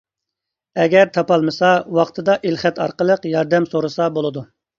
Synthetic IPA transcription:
ɛɡʲɛɾt̪ʰɑpɑlˠmɨsɑwɑqt̪ʰɨd̪ɑʔilχɛt̪ɑ̰ɾqəlˠəqjɑɾd̪ɛmsoɾusɑbolˠɨd̪u

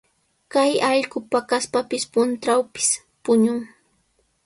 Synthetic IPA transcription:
kajɑʎkʊpakaspapɪspʊnt̪ɾawpɪ̥s | pʊɲʊŋ

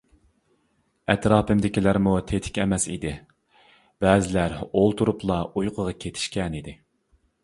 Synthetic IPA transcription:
ɛt̪ɾɑːpɪmd̪ɪkʲilæɾmut̪ʰet̪ʰɪ̥kʲɛmɛsḭd̪ɪ | b̥ɛːzɪlæɾolˠt̪ʰuɾuplˠɑujqʰəʁɑkʲʰet̪ʰɪ̥ʃkʲɛnid̪ɪ

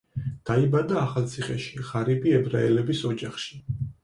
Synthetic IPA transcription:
d̪̥aibad̪aːχalˠt̪sʰiχɛʃi̥ʁaɾibiɛbɾaɛlɛbisɔd͡ʒaχʃi̥

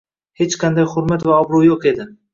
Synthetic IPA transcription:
het͡ʃqʰand̪ajχʊɾmat̪vaɒbɾʊwjoqe̞d̪ɪ

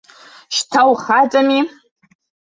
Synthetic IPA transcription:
ʃtʰawχat͡sʼami

